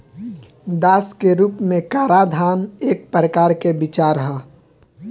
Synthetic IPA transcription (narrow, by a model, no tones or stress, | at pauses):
d̪aːskeɾuːpmẽkaːɾaːd̪ʱaːneːk̚pɾəkaːɾkebɪt͡ʃaːɾəɦaː